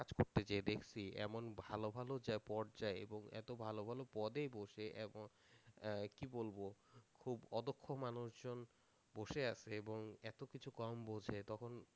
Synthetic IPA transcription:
kad͡ʑkoɾt̪et͡ɕaed̪ekʰt͡ɕʰiɛ̰monbʱalobʱalod͡ʑaepɔɾd͡ʑaeḛboŋɛ̰t̪obʱalobʱalopɔd̪ejboʃeʔeboŋ | kibolbokʰubɔd̪okʰːomanuʃd͡ʑon | boʃeaʃʰeeboŋɛt̪okit͡ɕʰukɔmbod͡ʑʱet̪ɔkʰon

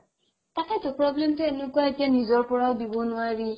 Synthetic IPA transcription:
takatopɾɔblem̩tɛnũkuakɛnĩzɔɾpʊɾaɔbibonũaɾi

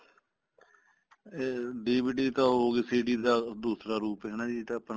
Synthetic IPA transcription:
eɖiːbiːʈiːt̪ãːɦoːɡeːsiːɖiːd̪aːd̪uːsɾaːɾuːpɦɛːnaːd͡ʒit̪ãːəpn

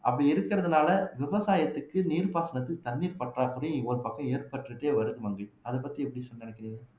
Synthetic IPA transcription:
ʔɐ̰pːɐɽiɪɾɯkːɪɾɐðɯnaːlɐʋɪʋɐsaːjɐt̪ːɯkːɯniːɾpaːsɐnɐt̪ːɯt̪ːɐnːiːɾpɐʈraːkɯɾɐj̃ɔɾɯpɐkːɐ̃eːɾpɐʈrɯʈːeːʋɐɾɯðɯmɐŋɡɐɭɐðɯpɐt̪ːiɛpːɐɽisɔnːnɛɳɛkːɪɾiːŋɡɐ

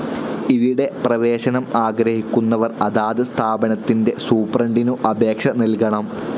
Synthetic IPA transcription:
iðiɽe̞prɐʋe̞ːɕɐnɐmaːɡɾɐhikʲːunːɐʋɐrɐðaːðɨst̪ʰaːbɐnɐt̪ːinde̞suːprɐɳɖinuʔɐbe̞ːkʂɐnilkɐɳɐm

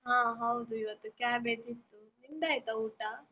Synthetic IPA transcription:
ɦãːɦɐwd̪uiʋɐt̪ːukaːbeːd͡ʒit̪ːuninɖ̪aːjt̪ɐuːʈa

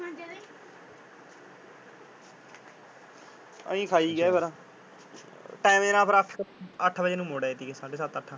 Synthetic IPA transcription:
ə̰ĩːkʰaːiːɡɛːbəɾãː | ʈaːmenãːpəɾəkʰəʈʰːbəd͡ʒeːnũːmoːɽaːet̪iːɡeːsaːɖeːsət̪əʈʰːãː

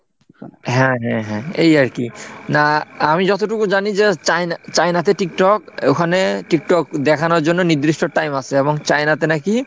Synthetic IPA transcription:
ɦɛ̃ɦɛ̃ɦɛ̃ejaɹkinaamid͡ʑɔt̪oʈukuzanizet͡ʃajnat͡ɕajnat̪̬ɛʈik̚ʈɔkokʰaneʈik̚ʈɔk̚d̪ɛkʰanɔɾzonːɔnid̪ɾisʈɔʈajmasɛɛbɔŋt͡ɕajnat̪ɛnaki

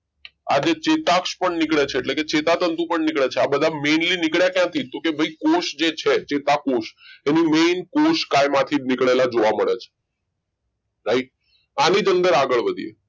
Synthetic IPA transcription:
a̰d͡ʒet͡ʃet̪akʃpəɳnɪkɭet͡ʃʰeːʈleket͡ʃet̪at̪ənt̪ũpəɳnikɭet͡ʃʰeabəd̪ʱamenlinikɭjakjãt̪ʰit̪okebʱəikoʃd͡ʒet͡ʃʰet͡ʃet̪akoʃenimeːnkoʃkajmãt̪ʰinikɭelad͡ʒoʋaməɭet͡ʃʰe̥ | ɾaiʈ̚ | anid͡ʒə̃nd̪əɾaɡəɭʋəd̪ʱḭḛ

